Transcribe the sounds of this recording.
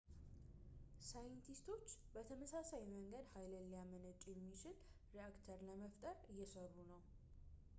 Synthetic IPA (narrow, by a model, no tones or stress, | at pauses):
sajɪnt̪ʰist̪ʰo̞t͡ʃːbət̪ʰəməsasajməŋɡəd̪hajləlːijamənət͡ʃʼjɛmːit͡ʃɪl | ɾiakt̪ʰəɾləməft̪ʼəɾjːɛsərːunəw